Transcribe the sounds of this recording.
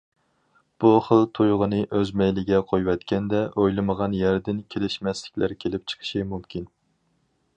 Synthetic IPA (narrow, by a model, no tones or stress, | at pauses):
b̥uχəlˠt̪ʰujʁənɨʔøzmɛjlɪɡʲɛqʰojwɛt̪kʲʰɛnd̪ɛʔojlˠɨməʁɑnjæɾd̪ɪnkʲʰelɪʃmɛslɪ̥kʲlæɾkʲʰelɪp̚t͡ʃʰə̥qʰə̥ʃimumkʲin